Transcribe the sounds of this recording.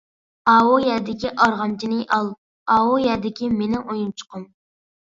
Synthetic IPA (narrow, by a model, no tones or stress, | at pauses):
ɑwojɛd̪ɪkʲiʔɑɾʁɑmt͡ʃʰinɪjʔɑlˠ | ɑwojɛd̪ɪkʲimenɪʔojunt͡ʃʰʊ̥qʰʊm